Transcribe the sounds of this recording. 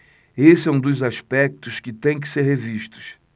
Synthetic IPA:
esɪɛ̃w̃d̪ʊzaʃpɛk̚t̪ʊskɪt̪ẽj̃k̬ɪ̥seɾɦeviʃt̪ʊ̥s

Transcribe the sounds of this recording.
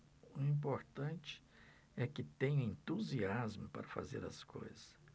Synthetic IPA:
ʊĩpoɾt̪ɐ̃nt͡ʃɪ̥ | ɛkɪt̪ẽɲɐẽnt̪uziazmʊpa̰ɾɐfa̰zḛɾɐ̰sko̰jzɐs

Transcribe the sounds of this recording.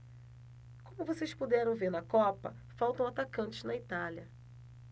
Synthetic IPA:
kõmʊvosejspud̪ɛɾɐ̃w̃veɾnɐkɔpɐ̰ | fawt̪ɐ̃w̃at̪akɐ̃nt͡ʃɪ̥znɐit̪aljɐ

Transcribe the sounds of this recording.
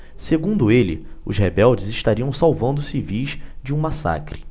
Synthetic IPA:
seɡũnd̪ʊelɪ̰ʊ̰zhebɛwd͡ʒɪzɪʃt̪aɾiɐ̃w̃sawvɐ̃nd̪ʊsivijʃd͡ʒɪũmasa̰kɾɪ̥

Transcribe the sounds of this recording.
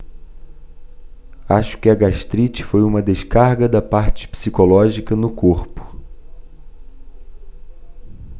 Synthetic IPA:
aʃʊ̥kɪɐɡaʃt̪ɾit͡ʃɪ̥fojũmɐd̪eʃkaɾɡɐd̪ɐpaɾt͡ʃɪ̥psikolɔʒikɐnʊkoɾpʊ̥

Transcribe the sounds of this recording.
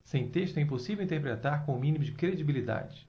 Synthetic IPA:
sẽj̃t̪eʃt̪ʊɛĩp̬osivewĩnt̪ehpɾet̪aɾkõʊmĩnimʊd͡ʒɪkɾed͡ʒibilid̪a̰d͡ʒɪ

